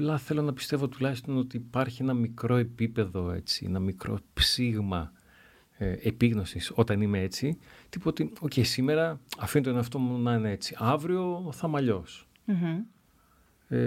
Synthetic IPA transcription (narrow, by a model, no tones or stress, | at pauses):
plɐθe̞lo̞nɐpi̥st̪e̞vo̞t̪ulɐçist̪o̞no̞t̪iːpɐɾçie̞nɐmikɾo̞e̞pipe̞ðo̞e̞̰t͡siḛnɐmikɾo̞̰psiɣmɐ | epiɣno̞siso̞t̪ɐnimee̞t͡sit̪ipot̪io̞ce̞jsime̞ɾɐɐfint̪neɐft̪o̞munɐinee̞t͡siɐvɾio̞θɐmɐʎo̞s̩ | e